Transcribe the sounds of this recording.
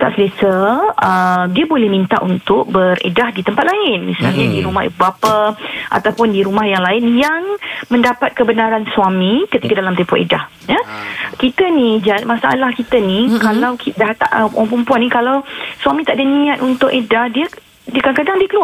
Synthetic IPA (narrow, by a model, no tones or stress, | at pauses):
t̪a̰ʔsəlesəədiəbolɛhmint̪a̰ʔunt̪ʊk̚bərḛdahdit̪əmpat̪̚laɪnmḭsa̰lɲadiɾumahḭbubapaʔa̰t̪awpʊndiɾumahjaŋlaɪnjaŋmə̃ndapat̪̚kəbənaɾanswamĩkət̪ikadalamt̪ɛmpʊʔḛdah | jakit̪ənid͡ʒamãsaa̰lahkit̪ənikalawkidat̪a̰ʔəpaŋpəmpuanĩkalawsuwamĩt̪aʔdanĩat̪unt̪ʊʔedahdiə | dəkaŋkadaŋdiəkəlua